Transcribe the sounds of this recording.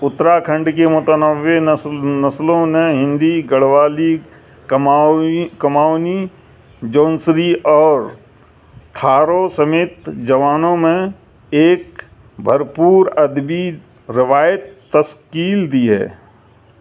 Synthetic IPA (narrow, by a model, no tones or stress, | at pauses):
ʊt̪ɾakʰə̃ɳɖkemʊt̪ənəʋenɐslõneɦɪ̃nd̪iɡəɽʋaːli | kmkɐmaːni | d͡ʒõːnsɾiʔɔːɾ | t̪ʰaːɾosɐmeːt̪d͡ʒɐʋaːnõmẽ | eːk | bʱəɾpuːɾɐd̪bi | ɾɪʋaːjət̪ːəskiːld̪iɦɛ̰ː